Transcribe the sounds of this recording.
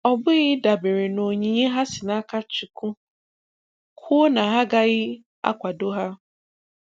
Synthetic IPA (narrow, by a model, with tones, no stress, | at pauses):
ɔ˦bʊ˦ɣɪ˦da˨be˨ɾe˨no˨ɲi˨ɲe˦ɦa˦sɪ˨na˦ka˦t͡ʃi˨kʊ˦ | kʰʊ˦na˨ɦa˦ɡa˦ɣɪ˦ | a̰˦kʷa˨do˦ɦa˦